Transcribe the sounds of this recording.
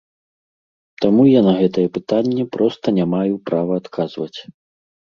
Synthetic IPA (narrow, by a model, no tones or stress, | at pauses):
t̪amujanɐɣɛt̪ɐjɛpɨt̪anʲːɛpɾɔst̪ɐnʲamajupɾavɐːt̪kʰazvɐt͡sʲ